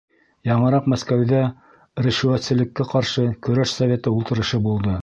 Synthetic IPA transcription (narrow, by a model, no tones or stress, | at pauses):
jɑɴɤ̆ɾɑqmæskæwðæ | ɾɘ̆ʃʉæt̪sɘ̆lɘ̆kːæqɑɾʃɤkɵ̆ɾæʃsɐvʲe̞t̪ɤulˠt̪ɤ̆ɾɤ̆ʃɤbulˠd̪ɤ